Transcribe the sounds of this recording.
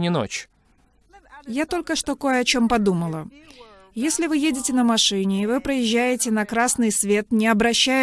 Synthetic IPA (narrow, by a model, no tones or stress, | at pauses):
nʲɪno̰t͡ɕ | jat̪o̞lʲkəʂt̪o̞ko̞jəɐt͡ɕo̞mpɐd̪uməlˠə | jesʲlʲɪvɨjedʲɪtʲɪnəmɐʂɨnʲɪːvɨpɾəjɪʑːæjɪtʲɪnɐkɾasnɨjsvʲe̞t̪nʲɪɐbɾɐɕːæ